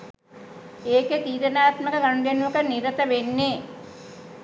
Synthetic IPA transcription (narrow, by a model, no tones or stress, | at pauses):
eːket̪iːɾɐnaːt̪mɐkɐɡɐɳɖjɐnʋukɐniɾɐt̪ɐʋenːe